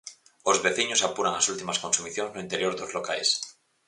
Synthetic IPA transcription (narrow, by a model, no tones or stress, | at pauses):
ozβeθiɲosapuɾaŋasult̪imaskonsumiθjoŋznoint̪eɾjoɾðozlokajs